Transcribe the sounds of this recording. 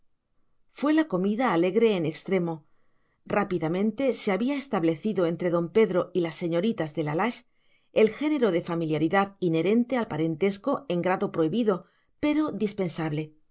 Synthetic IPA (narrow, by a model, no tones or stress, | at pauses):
fwe̞lako̞miðaːle̞ɣɾe̞ːnekst̪ɾe̞mo̞ | rapiðamẽ̞nt̪e̞se̞aβiaest̪aβle̞θiðo̞e̞nt̪ɾe̞ðo̞mpe̞ðɾo̞ilasːe̞ɲo̞ɾit̪azðe̞lalaʃ | e̞lxe̞ne̞ɾo̞ðe̞familjaɾiðaðine̞ɾẽ̞nt̪e̞alpaɾe̞nt̪e̞sko̞e̞ŋɡɾaðo̞pɾo̞iβiðo̞ | pe̞ɾo̞d̪ispe̞nsaβle̞